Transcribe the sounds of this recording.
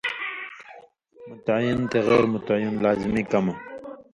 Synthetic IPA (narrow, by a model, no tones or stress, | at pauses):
mʊt̪ajɪnt̪eɣɛːɾmʊt̪ajɪnlaːzimikama